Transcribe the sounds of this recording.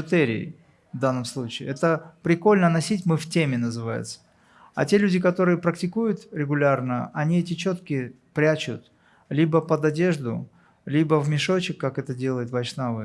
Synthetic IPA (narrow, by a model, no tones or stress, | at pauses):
ɪt̪ɛɾʲɪ̰ɪ̰ | vd̪anːəmslˠut͡ɕɪɪ̰ːɛt̪əpɾʲɪko̞lʲnənɐsʲitʲmɨftʲemʲɪnəzɨvajʊ̰t̪sə̥ | ɐ̰tʲe̞lʲʉdʲɪkɐt̪o̞ɾɨjəpɾəktʲɪkujʊt̪ɾʲɪɡʊlʲarnəɐnʲiɛtʲɪt͡ɕo̞t̪kʲɪ | pɾʲat͡ɕʊt̪ | lʲibəpəd̪ɐdʲe̞ʐd̪ʊ | lʲibəvmʲɪʂo̞t͡ɕɪkːakɛt̪ədʲe̞lˠəjʊt̪vɐjʂnavɨ